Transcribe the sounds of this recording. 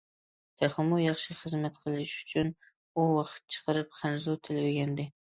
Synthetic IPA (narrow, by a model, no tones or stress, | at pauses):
t̪ʰaχɨmʊjɑχʃɪχɨzmat̪qʰɨlˠɪʃʊ̥t͡ʃʰʊn | ʊwɑqʰɨ̥t̪̚t͡ʃʰɨ̥qʰɨɾɪpχʰanzut̪ʰɪlwɪɡʲand̪ɪ